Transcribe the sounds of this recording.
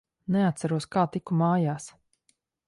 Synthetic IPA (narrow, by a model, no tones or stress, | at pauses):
neat̪t̪saɾuɔskaːt̪ikumaːjaːs